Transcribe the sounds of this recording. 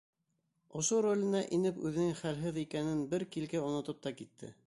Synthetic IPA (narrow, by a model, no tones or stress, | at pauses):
ŏʃoɾolʲɘ̆nɑʔinɘpʉðɘ̆nɘŋχælɦɘðikænɘnbɘɾkilɡæŏnŏt̪ɤp̚t̪ɑkit̪ʰːɘ̰